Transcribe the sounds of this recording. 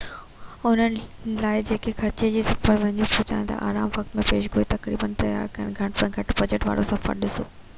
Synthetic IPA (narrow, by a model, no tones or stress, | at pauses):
ʊn̤ənɪ̆laːɪd͡ʑeːkʰexɐɾt͡ɕed͡ʑiːsɐfəɾʋɐ̃ɦɪɲd͡ʑuput͡ɕa̰ːjẽt̪ɐ̰ʔa̰ːɾaːmʋɐkt̪mẽpeːʃɡʱoːit̪ɐkɾḭːbənt̪ɐja̰ːɾkɐəɽ̃ɡʱɐẽːɡʱɐʈbɐd͡ʑeʈʋa̰ːɽosɐfə̰ɾɗɪso̰ː